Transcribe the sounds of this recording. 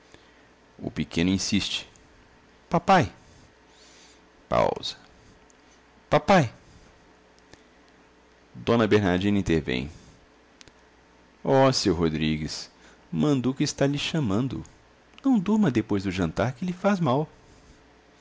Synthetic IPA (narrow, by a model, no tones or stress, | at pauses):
ʊ̰pekʰẽnʊĩsist͡ʃɪ̥ | papaj | pa̰wz̥ɐ̥ | papaj | d̪õnɐbeɾnaɾd͡ʒĩnɐĩt̪eɾvḛ̃j̃ | ɔsewɦod̪ɾiɡɪs | mɐ̃nd̪ʊkɪɪst̪aʎɪʃɐ̃mɐ̃nd̪ʊ̰ | nɐ̃w̃d̪uɾmɐd̪epojzd̪ʊʒɐ̃nt̪aɾkɪlɪfazmaw